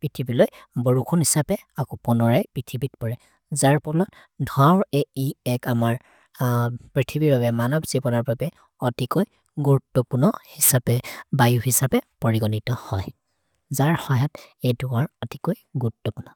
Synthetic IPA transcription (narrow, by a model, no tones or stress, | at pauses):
pɹitʰibilojbɔɹukʰunhisapɛ | akɔpɔnɔɹajpɹitʰibitpɔɹɛ | zaɹpɔlɔt | dʱwaʊɹeiɛkamaɹ | pɹitʰibiɹbabɛmanɔbz̥ibɔnaɹbabɛ | ɔtikoj | ɡuɹutːɔpunɔhisapɛbajuhisapɛpɔɹiɡɔnitɔhɔ̰j | zaɹhɔjatejduwaɹɔtikojɡuutːɔpunɔ